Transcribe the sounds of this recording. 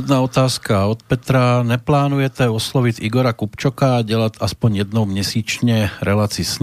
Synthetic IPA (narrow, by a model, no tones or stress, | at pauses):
d̪naːɔt̪aːskaɔt̪̚pɛt̪ɾaɲɛplaːnujɛt̪ɛɔslɔʋiciɡɔɾakupt͡ʃɔkaɟɛlat̪aspɔɲjɛd̪nɔʊmɲɛsiːt͡ʃɲɛɾɛlaːt͡sisɲ